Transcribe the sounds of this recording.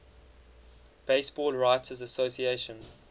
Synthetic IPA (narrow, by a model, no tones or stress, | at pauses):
b̥eɪsb̥ɔːlɹaɪtʰəzəsoʊsieɪʃə̃n